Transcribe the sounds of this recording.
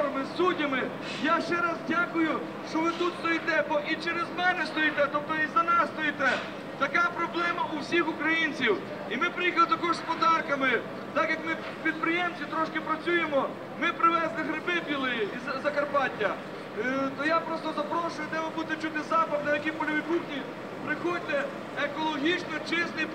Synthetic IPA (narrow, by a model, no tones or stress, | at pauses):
ɾɐmɪsːudʲɐmɪ | jaʃt͡ʃɛɾɑzdʲakʊjʊ | ʃt͡ʃɔʋɪd̪ut̪st̪ɔjit̪ɛbɔʔit͡ʃɛɾezmɛnɛst̪ɔjit̪ɛt̪ɔp̚t̪ɔizɐnɛst̪ɔjit̪ɛ | t̪ɐkɑpɾɔblˠɛmɐʔʊwsʲixʊkɾɐjinʲt͡sʲiw | imɪpɾɪjixɐlˠɪt̪ɐkɔʒspɔd̪ɑrkɐmɪ | t̪ɑkjɐkmɪ | pʲid̪̚pɾɪjemsʲʋʲit̪ɾɔʃkɪpɾɐt͡sʲujemɔ | mɪpɾɪʋɛzlˠɪɦɾɪbɪbʲilˠɪjiizzɐkɐrpɑtʲːɐ | t̪ɔjapɾɔst̪ɔzɐpɾɔʃʊjʊd̪ɛmɪbut̪ɪt͡ʃut̪ɪzɑpɐwnɐjɐkipɔlʲɐʋʲikuxnʲi | pɾɪxɔd̪̚ʲt̪ɛ | ekɔlˠɔɦʲit͡ʃnɔt͡ʃɪsnɪj